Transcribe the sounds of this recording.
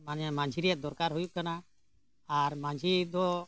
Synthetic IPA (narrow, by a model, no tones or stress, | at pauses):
manamãɲd͡ʒʱiɾijat̪̚d̪ɔɾkaɾɦujuʔkanaː | ɾmãd͡ʒʱid̪ɔ